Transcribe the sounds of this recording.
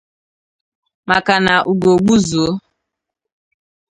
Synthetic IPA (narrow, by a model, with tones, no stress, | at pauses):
ma˨ka˨na˨ʔu˨ɡo˨ɡ͡bu˦zo˨˦